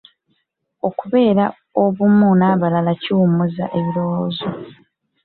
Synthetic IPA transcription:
o̞kuβe̞ːɾa | o̞βumunaːβalalaciumuza̰ʔe̞βilo̞wozo

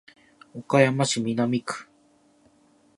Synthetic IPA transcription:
okajamaʃiminamik

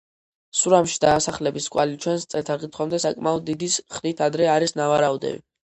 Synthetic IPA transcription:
suɾamʃid̪aːsaχlɛbiskʼwalit͡ʃʰwɛnst̪sʼɛlt̪ʰaɾʁit̪ʰχwamd̪ɛsakʼmaɔd̪̚ːid̪isχɾit̪ʰad̪ɾɛaɾisnavaɾaud̪ɛ̰vḭ

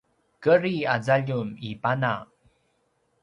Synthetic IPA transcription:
kəɾiazaʎumipana

